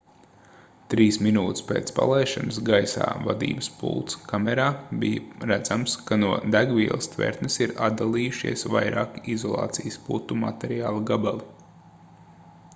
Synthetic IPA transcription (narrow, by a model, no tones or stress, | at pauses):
t̪ɾiːsminuːt̪ɪ̥spḛːt̪spa̰lˠɛjʃansɡajsa̰ːvad̪ḭːbəspṵlˠt̪skamɛɾaːbijɐɾæd̪zamskanuɔd̪æɡviɛlˠɐst̪vɛ̰ɾt̪nɛsiɾad̪̚d̪alˠiːjuʃḭɛsʋa̰jɾaːkiizɔlˠɑ̰ːt̪sijsput̪ːuma̰t̪ɛɾiaːlˠaɡabalˠi